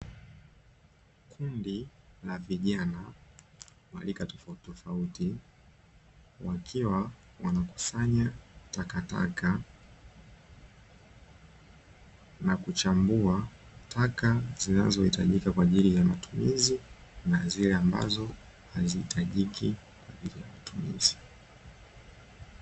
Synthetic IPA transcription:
kʰundilaviʄana | wa̰likatɔ̥fautɔfauti | wakʰiwawanaku̥saɲatakata̰ka | nakut͡ʃambuatʰakazina̰zɔhita̰ʄikakwaːʄilijamatumizinazilɛamba̰zɔ | hazihitʰaʄikʰi | kwaʄilijamatumḭz̥i̥

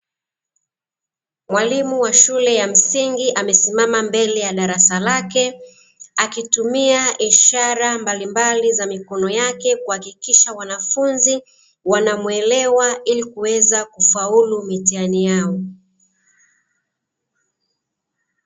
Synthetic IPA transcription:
mwalimuwaʃulɛjam̩siŋɡiʔamɛsimamambɛlɛjaɗaɾasalakɛ | akitumiaʔiʃaɾambalimbalizamikɔnɔjakɛkuhakikiʃawanafunzi | wanamwɛlɛwailikuwɛzakufaulumitianijaɔ

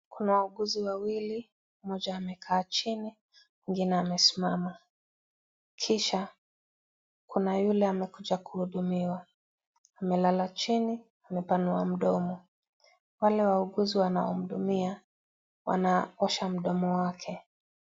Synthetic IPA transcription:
kunawauɡuziwawili | mɔʄaːmɛkʰaːt͡ʃini | kiŋɡinɛamɛsi̥mama | kʰiʃa | kunajulɛamɛkuʄakuhuɗumiwa | amɛlalat͡ʃini | amɛpanua̰m̩ɗɔmɔ | walɛwauɠuziwanaɔm̩ɗumia | wa̰naɔʃam̩ɗɔmɔwakʰɛ

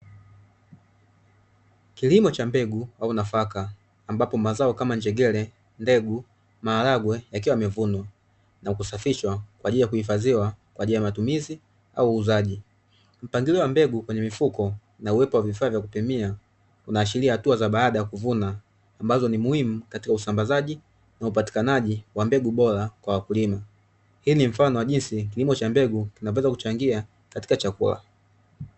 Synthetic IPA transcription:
kilimɔt͡ʃambɛɡuwaunafakaː | mbapɔmazaɔkamaɲd͡ʒɛɡɛlɛ | ndɛɡu | maːlaɡwɛjakiwamɛvunwa | nakusafiʃwakwaːʄilijakuhifaziwakwaʄiliajamatumizi | auːzaʄi | m̩paŋɡiliɔwambɛɡukwɛɲɛmifukɔ | nauwɛpɔwavifaːvjakupimia | unaːʃiliahatuazaɓaaɗajakuvunaː | mbazɔnimuhimukati̥kausambazaʄi | naupati̥kanaʄiwambɛɡuɓɔɾakwawakulima | hiːnim̩fanɔwaʄinsikilimɔt͡ʃambɛɡukinawɛzaku̥t͡ʃaŋɡia | kati̥kat͡ʃakṵla̰

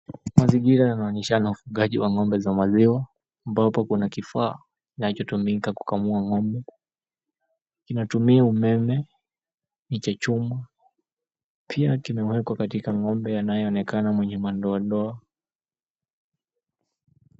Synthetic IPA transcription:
maziŋɡiɾajanaɔːnɛʃanaufuɠaʄiwaŋɔmbɛzamaziwaː | mbapɔkunakifaː | inat͡ʃɔtumikaku̥kamuaŋɔmbɛ | kinatumiaumɛmɛ | ɲit͡ʃat͡ʃuma | pʰiakimɛwɛkwakatikaŋɔmbɛjanajɛɔnɛkanamwɛɲɛmandɔaɗɔa

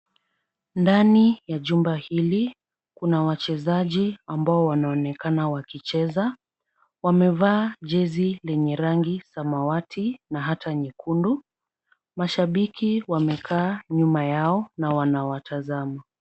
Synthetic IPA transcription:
ndanijaʄumbahili | kunawat͡ʃɛzaʄiambaɔwanaɔnɛkanawakit͡ʃɛza | wamɛvaːʄɛzilɛɲɛɾaŋɡisamawatʰinaɦatʰaɲikʰundu | maʃaɓikʰiwamɛkʰaːɲumajaɔnawanawatʰazama

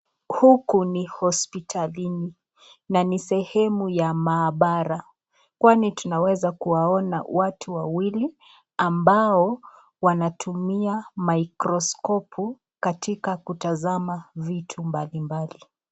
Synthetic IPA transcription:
hukunihɔspitʰalini | nanisɛhɛmujamaːɓaɾa | kwanitunawɛzakuwaɔna̰watʰuwawili | ambaɔ | wanatʰumiamaikɾɔskɔpʰu | katikakutazamavitʰumbalimbali

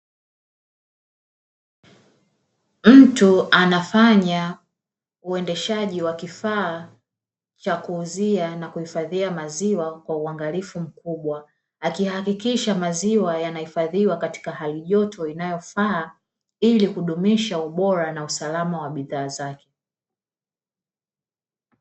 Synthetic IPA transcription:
m̩tuanafaɲa | uɛndɛʃaʄiwakifaː | t͡ʃakuːzianakuhifaðiamaziwakwauaŋɡalifum̩kuɓwaː | kihakikiʃamaziwajanahifaðiwakati̥kahaliʄɔtʰɔinajɔfaː | ilikuɗumiʃauɓɔɾanausalamawaɓiðaːzakɛ̥

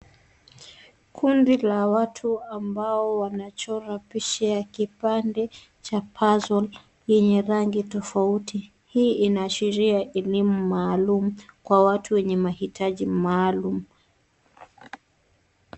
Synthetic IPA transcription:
kʰundilawatʰuambaɔwanat͡ʃɔɾapiʃɛakipandɛ | t͡ʃapʰazɔl | jɛɲɛɾaŋɡitɔfauti | hiːʔinaːʃiɾiaʔɛlimumaːlumukwawatʰuwɛɲɛmahitʰaʄimaːlumu

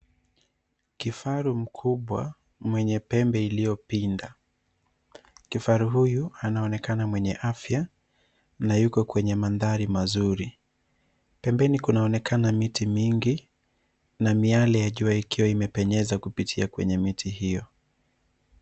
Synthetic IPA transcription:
kifaɾum̩kʰuɓwa̰ | mwɛɲɛpɛmbɛilijɔpinda | kifaɾuɦujuanaɔnɛkanamwɛɲɛʔafja | najukɔkwɛɲɛmanðaɾimazuɾi | pɛmbɛnikunaɔnɛkanamitimiŋɡi | namialɛjaʄuaikiwaimɛpɛɲɛzakupitʰiakwɛ̰ɲɛmitʰihijɔ

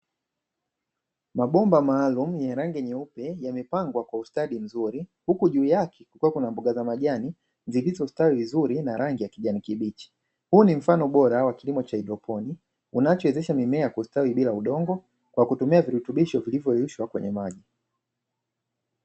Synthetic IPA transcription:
maɓɔmbamaːlum̩jɛɾaŋɡɛɲɛupɛjamɛpaŋɡwakwaustaɗim̩zuɾihukuʄuːjakʰɛkukuwakunambuɡazamaʄani | nzivizɔustawivizuɾinaɾaŋɡijakiʄanikiɓit͡ʃi̥ | huːnim̩fanɔɓɔɾawakilimɔt͡ʃaiɗɔpʰɔni | unat͡ʃɔɛzɛʃamimɛakustawiɓilauɗɔŋɡɔ | kwakutumiaviɾutuɓiʃɔvilivjɔɛuʃwakwɛ̰ɲɛmaʄi

